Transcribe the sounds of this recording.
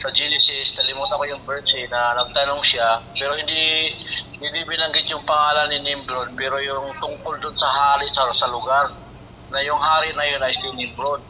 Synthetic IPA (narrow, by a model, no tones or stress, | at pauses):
sɐd͡ʒinɪsɪsd̪ɐlɪmuːt̪ɐpɐjʊŋbɛɹt̪ɪnɐnɐɡ̚t̪ɐno̞ŋsapɛːɾohɪnd̪iʔhɪ̃nd̪ibɪnɐŋɡɪt̪jʊŋpɐŋaːlɐnːɪnɪmbɾod̪̚pɛːɾo̞jʊŋt̪ʊŋkold̪onsɐɦaːɾɪsaːɾɐsɐlʊɡaɾ | nɐjʊŋhaːɾɪnɐjonɐjsɪnɪmbɾod̪̚